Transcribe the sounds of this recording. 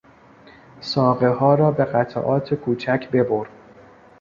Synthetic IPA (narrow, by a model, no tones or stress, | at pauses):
sɒːɣe̞hɒːɾɒːbe̞ɣæt̪ʰæ̰ʔɒːt̪ʰekʰuːt͡ʃʰæcʰbe̞boɾ